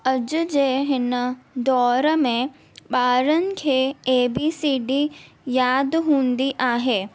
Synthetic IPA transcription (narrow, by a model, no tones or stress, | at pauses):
əd͡ʒd͡ʒeːɦɪnd̪ɔːɾmẽ | baːɾənkʰeeːbiːsiːɖi | jaːd̪ɦũːnd̪iʔaːɦeː